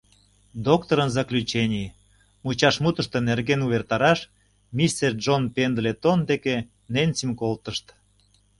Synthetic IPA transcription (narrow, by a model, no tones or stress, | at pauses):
d̪okt̪oɾənzɑklʲyt͡ɕenʲi | mut͡ɕɑʃmut̪əʃt̪enerɣenuβert̪ɑɾɑʃ | mʲist̪erd͡ʒonpend̪let̪ond̪eke | nenʲt͡simkolt̪əʃt̪